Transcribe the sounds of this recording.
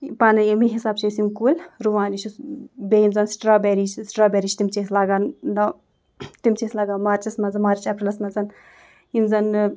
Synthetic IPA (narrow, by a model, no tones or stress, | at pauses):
paːnɐjɐmiɦisaːbt͡ʃʰesimkuːlɾuʋaːnit͡ʃʰusbeːjimzɐnsʈɾaːbɛːɾiːt͡ʃsʈɾaːbɛːɾit͡ʃt̪imt͡ʃeslaːɡannɐ | t̪imt͡ʃeslaːɡaːmaːɾt͡ʃɐsmɐzɐmaːɾt͡ʃɛpɾilɐsmɐzɐn | imzɐn